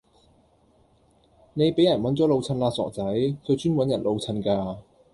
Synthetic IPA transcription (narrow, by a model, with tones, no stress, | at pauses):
ne˨˧jpe˨˥jɐ˨˩nwɐ˨˥nt͡sɔː˨˥lo˨˧wt͡sʰɐ˧nlaː˧sɔ̰ː˨k̚t͡sɐ˨˥jt͡sɵ˨˧wt͡ʃyː˥nwɐ˨˥njɐ˨˩nlo˧wt͡sʰɐ˧nkaː˧